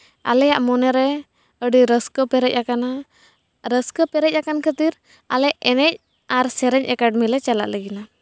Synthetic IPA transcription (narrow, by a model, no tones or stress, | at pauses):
a̰lɛjaʔmɔnɛɾɛ | əɖiɾəskəpɛɾɛc̚akana | ɾəskəpɛɾɛc̚ˀakankʰət̪iɾ | a̰lɛʔɛnɛc̚ | aɾsɛɾɛɲɛkaɖ̚mɛlɛt͡ʃala̰ʔləɡina